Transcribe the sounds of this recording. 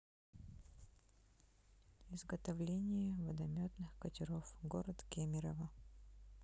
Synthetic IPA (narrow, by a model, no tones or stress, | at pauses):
ɪzɡət̪ɐvlʲenʲɪjəvəd̪ɐmʲot̪nɨxkətʲɪɾofɡoɾət̪kʲemʲɪɾəvə